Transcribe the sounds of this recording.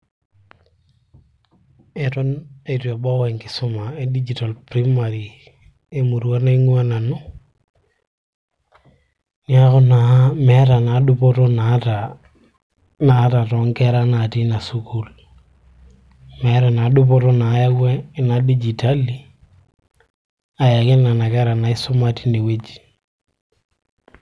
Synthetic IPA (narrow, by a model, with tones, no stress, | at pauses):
ɛ˨tɔ˦ne˨tiɔ˨bɔ˦wɛ˨ŋkɪ̥˨su˦ma˨e˨di˦d͡ʒi˨ta˨lpɾimaɾi˨ | e˦mu˨ɾu˦a˦na˦i˦ŋu˦a˦na˨nu˦ | ɲa˦kʊ˦na˨mɛɾa˨na˨dupɔ˦tɔ˦nata | na˦ta˨tɔ˨˦ŋkɛɾa˦na˨ti˦na˨su˦ku˦l | mɛɾa˨na˨du˦p̬ɔ˦tɔ˦na˨˦ja˦ɡwɛ˦˨na˨di˦d͡ʒita˦li˨ | a˨ja˨kɪ˦na˨na˨kɛ˦ɾa˨na˨ɪ˦sɔ˦mati̥˦ni˨we˦d͡ʒi